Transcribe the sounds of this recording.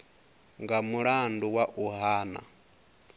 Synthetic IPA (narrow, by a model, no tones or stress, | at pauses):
ŋɡamuɾaːnduwaʔuhaːna̰